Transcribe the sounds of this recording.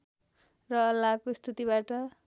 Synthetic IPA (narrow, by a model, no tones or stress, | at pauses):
rʌʌlːakost̪ʰut̪ibaʈʌ